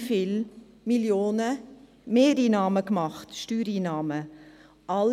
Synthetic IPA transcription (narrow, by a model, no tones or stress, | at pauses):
fɪl | miljoːnə | meːɾiːnɑːməkmɑχtʃtyːɾiːnɑːmə | ʔɑl